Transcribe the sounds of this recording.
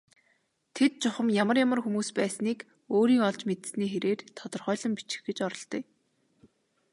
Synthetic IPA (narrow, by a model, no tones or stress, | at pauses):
t̪ʰet̪̚t͡ɕʊχə̆mjamə̆rjamə̆rxumuːspæːsniːk | oːɾiːŋɔɮt͡ɕmet̪̆sniːxeɾeːrt̪ʰɔt̪ɞ̆rχœːɮə̆mpit͡ɕɪ̥̆xɡet͡ɕɔɾɞ̆ɮt̪ɞː